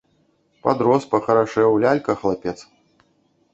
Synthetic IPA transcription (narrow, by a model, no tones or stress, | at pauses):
pad̪ɾɔspɐxɐɾaʂɛwlʲalʲkɐxlˠapʲɛt̪s